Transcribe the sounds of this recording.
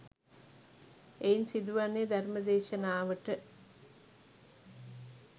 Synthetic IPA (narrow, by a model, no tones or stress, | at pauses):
einsid̪uʋanːed̪æɾməd̪eːʃənaːʋəʈə